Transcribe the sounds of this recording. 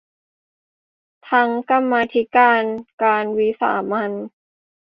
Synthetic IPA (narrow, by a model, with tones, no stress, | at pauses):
t̪ʰa˧˥ŋka˧mːaː˧t̪ʰi˦˥kaː˧nkaː˧nwi˦˥sa̰ː˩˦ma˧n